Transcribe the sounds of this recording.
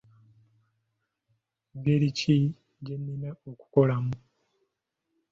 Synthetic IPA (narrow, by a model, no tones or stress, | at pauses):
ɡeɾici | ɟenːineoku̥ko̞lamu